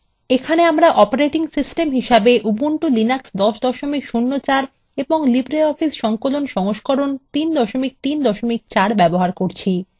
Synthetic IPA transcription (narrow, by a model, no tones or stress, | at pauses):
ekʰaneamɾaʔɔpaɾeʈiŋsisʈemɦiʃabeʔubuɳʈulinaksd̪ɔʃd̪ɔʃomikʃunːot͡ɕaɾ | eboŋlibɾeɔfisʃɔŋkolonʃɔŋoʃkoɾont̪ind̪ɔʃomik̚t̪ind̪ɔʃomik̚t͡ɕaɾbɛboɦaɾkoɾt͡ɕʰi